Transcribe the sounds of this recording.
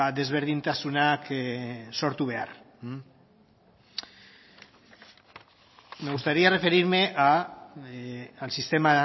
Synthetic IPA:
ad̪ezβeɾð̞int̪asunaksoɾt̪uβ̞ea̰r̩ | meɣust̪aɾiarefeɾiɾmeʔa | alsist̪ema

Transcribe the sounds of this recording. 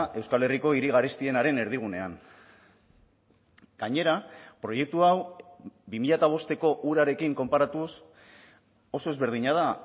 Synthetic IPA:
ʔe̞wskale̞riko̞iɾiɣ̞aɾist̪ie̞naɾe̞ne̞ɾðiɣ̞une̞aŋ | ɡ̥aɲe̞ɾapɾo̞je̞k̚t̪uawbimiʎat̪aβ̞o̞st̪e̞ko̞ʔuɾaɾe̞kiŋko̞mpaɾat̪us | o̞so̞e̞zβe̞ɾð̞iɲað̞a

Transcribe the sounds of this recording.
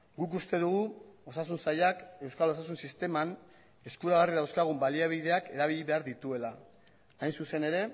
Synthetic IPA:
ɡuk̬ust̪e̞ðuɣ̞uo̞sas̬unsajake̞wskalo̞s̬as̬unsist̪e̞man | e̞skuɾaɣariðawskaɣ̞umbaliaβ̞iðe̞ake̞ɾaβ̞iʎiβe̞aɾðit̪ue̞laː | jnsuse̞ne̞ɾe̞

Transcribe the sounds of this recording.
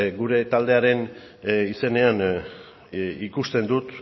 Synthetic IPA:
ɡuɾe̞t̪ald̪e̞aɾe̞n | ise̞ne̞an | ikust̪e̞nd̪ut̪

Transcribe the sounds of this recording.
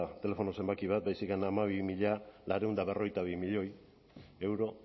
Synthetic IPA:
t̪e̞le̞fo̞no̞se̞mbakiβ̞at̪̚bajsikanamaβimiʎalaɾe̞und̪aβe̞ro̞ɣ̞jt̪aβimiʎo̞j | e̞wɾo̞

